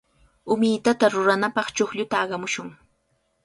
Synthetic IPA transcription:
ʊmɪːt̪at̪aɾʊɾanapɑχt͡ʃoxʎʊt̪aːɢɑmʊʃʊŋ

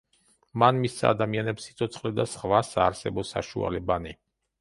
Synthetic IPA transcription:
manmisːa̰d̪amianɛpsi̥t̪sʰɔt̪sʰχlɛd̪asχvasaːɾsɛbɔsa̰ʃṵa̰lɛbani

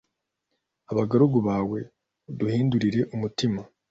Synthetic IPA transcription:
aβaɡaɾuɡuβaːwe̞ | duhiːnduɾiɾe̞ʔumutima

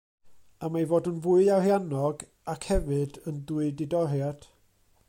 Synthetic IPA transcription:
amajvoːdənvuɨahjanɔɡ | akʰhɛvɨdənduɨdɪdɔrjad̥

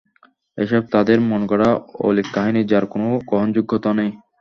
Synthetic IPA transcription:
ḛʃɔb̚t̪ad̪eɾmɔnkɔɽao̰likːaɦinid͡ʑaɾkonoɡɔɦond͡ʑuɡʱːot̪anej

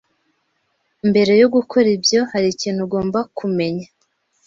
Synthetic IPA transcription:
imbe̞ɾe̞joɡukʰo̞ɾibjo̞haɾiːciːnhuɡo̞ːmbakʰume̞ɲa

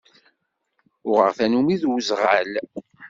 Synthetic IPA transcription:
ʊʁə̰ʁθænumiðwzʁəl

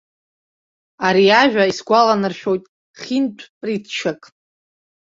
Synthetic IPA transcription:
aɾiaʒᶣaisɡʷalanɨrʃᶣo̞jtʼ | χʲintʷʼʰpʼritʰt͡ʃʰakʼ

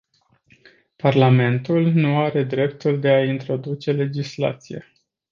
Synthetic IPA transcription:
parlame̞nt̪ulnuaɾe̞d̪ɾe̞pt̪uld̪e̞aint̪ɾo̞d̪ut͡ʃe̞le̞d͡ʒisla̰t̪sijḛ

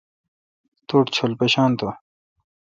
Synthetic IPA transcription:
t̪uːʈt͡ɕʰolpeɕaːnt̪o

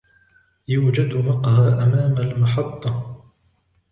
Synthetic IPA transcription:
juːd͡ʒad̪mɑqhaaːʔamaːmalmɑħɑt̪ˤːɑ

